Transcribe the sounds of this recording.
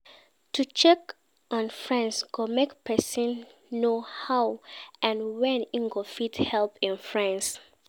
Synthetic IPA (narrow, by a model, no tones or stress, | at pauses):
tʰut͡ʃɛk | ʔɔ̃nfɹɛ̃nsɡ̥omekpʰɛsə̃nːohaʊʔɛ̃nwɛ̃nĩŋɡofithɛlˠpɪ̃nfɹɛ̃ns